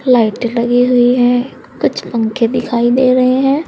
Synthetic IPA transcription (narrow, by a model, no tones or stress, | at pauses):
laːiʈləɡiɦʊiɦɛ̃ː | kʊt͡ʃʰpə̃ŋkʰed̪ɪkʰaːid̪eːɾəɦeɦɛ̃ː